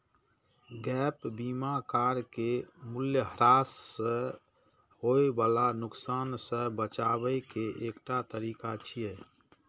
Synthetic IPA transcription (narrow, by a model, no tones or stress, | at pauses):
ɡɛpbimakaɾkemuljəɦəɾasːə̃ | ɦoebalanʊksaːnsə̃bət͡ʃabəjkeʔekʈat̪əɾiːkat͡ʃʰijɛ